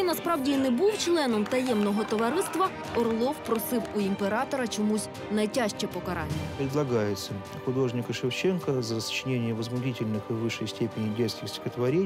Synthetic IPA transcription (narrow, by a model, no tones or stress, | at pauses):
inɐspɾɑwdʲinɛbuwt͡ʃlˠɛnɔmt̪ɐjɛmnɔɦɔt̪ɔʋɐɾɪst̪ʋɐ | ɔrlˠɔwpɾɔsɪwʊimpeɾɑt̪ɔɾɐt͡ʃɔmusʲ | nɐjtʲaʃt͡ʃɛpɔkɐɾɑnʲːɐpɾʲɪd̪lˠɐɡajɪt̪sə | xʊd̪o̞ʐnʲɪkəʂɪft͡ɕenkəzəəst͡ʃɪnʲenʲɪjəʋəzmʊdʲitʲɪlʲnɨxɨʋɨʂːəjsʲtʲepʲɪnʲɪbʲet̪st̪ʲɪxsʲtʲɪ̥xət̪ʋɐɾʲe